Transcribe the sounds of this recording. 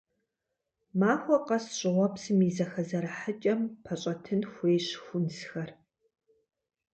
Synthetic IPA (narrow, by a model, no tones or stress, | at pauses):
maːxʷɔqɐsɕʼɪʁʷɔpsɨmiːzɐxɐzɐɾɐħət͡ʃʼɐmpʰɐɕʼɐtʰɨnxʷeːɕxʷʊnsxɐr